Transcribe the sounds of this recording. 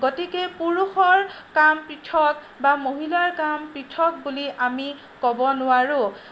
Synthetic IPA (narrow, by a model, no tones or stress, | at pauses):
ɡɔtikepuɹuxɔɹ | kampɹitʰɔk | bamoɦilaɹkampɹitʰɔk̚buliʔami | kɔbɔnʊwaɹʊ